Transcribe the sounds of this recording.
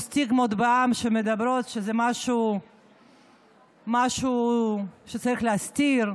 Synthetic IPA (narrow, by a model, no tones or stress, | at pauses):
st̪iɡmod̪beamʃemed̪abɾot̪ʃezɛmaʃu | maʃu | ʃet͡saɾixleast̪iɾ